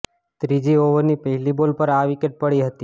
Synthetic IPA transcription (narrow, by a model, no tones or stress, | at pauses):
t̪ɾid͡ʒioʋənipəɦilibolpəɾaʋikeʈ̚pəɭiɦət̪i